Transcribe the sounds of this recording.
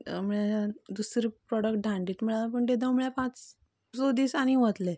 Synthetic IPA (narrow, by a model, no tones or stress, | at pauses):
m̤əɭad̪usɾipɾɔɽəkʈ̚ɖʱãɳɖiːt̪miɭalapəɳʈ̪ed̪əmɭjapãt͡s | sod̪iːsañiʋət̪le